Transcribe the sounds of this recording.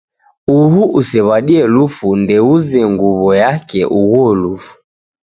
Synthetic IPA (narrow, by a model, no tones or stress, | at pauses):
uhuʔusɛβaɗiɛlufundɛuzɛŋɡuβɔjakɛʔuɣɔlufu̥